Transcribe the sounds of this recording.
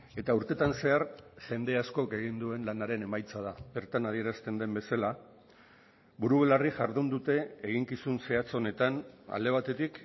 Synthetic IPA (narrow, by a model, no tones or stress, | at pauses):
e̞t̪auɾt̪e̞t̪anse̞aɾʝe̞nd̪e̞asko̞ke̞ɣ̞ind̪ue̞nlanaɾe̞ne̞majt͡sað̞abe̞ɾt̪anað̞ie̞ɾast̪e̞nd̪e̞mbe̞sala | βuɾuβelariʝaɾðund̪ut̪e̞ːɣ̞iŋkisunse̞at͡so̞ne̞t̪ana̰ld̪e̞β̞at̪e̞t̪ik